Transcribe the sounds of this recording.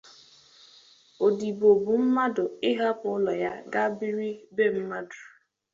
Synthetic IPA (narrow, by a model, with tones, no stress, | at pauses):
o˨di˨bo˨bu˨m̩˦ma˦dʊ˨ɪ˦ɦa˦pʊ˦lɔ˨ja˦ɡa˦bi˦ɾi˦be˦˨m̩˦ma˦dʊ˨